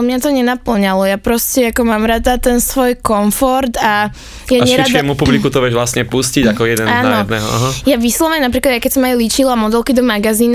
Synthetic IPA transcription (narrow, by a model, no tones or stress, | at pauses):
mɲat̪ɔɲɛnapl̩ɲalɔjapɾɔscɛakɔmaːmɾad̪at̪ɛnsʋɔjkɔɱfɔɾt̪a | jaɲɛɾad̪ɛmupublikut̪ɔʋɪɛʒʋlasɲɛpusciɟakɔjɛd̪ɛnaːnːɔɔd̪nɛɦɔ̰a̰ɦajaʋislɔʋɲɛnap̬ɾiklad̪jajkɛcsɔmajulit͡ʃilamɔd̪ɛlkid̪ɔmaɡaziːn